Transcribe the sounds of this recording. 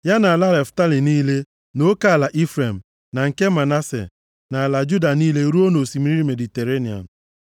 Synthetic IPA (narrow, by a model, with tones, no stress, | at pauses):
ja˦na˨a˨la˦le˨fta˦li˨niː˦le˦ | no˦ka˦a˨la˨ʔi˦fɾe˨m̩˨ | na˨ŋ̩˨ke˦ma˨na˦sḛ˨ | na˨a˨la˨d͡ʒu˦da˨niː˦le˦ɾu˦o˦no˨si˨mi˦ɾi˦ɾi˦me˨di˨te˨ɾe˦ni˨a̰˨n̩˨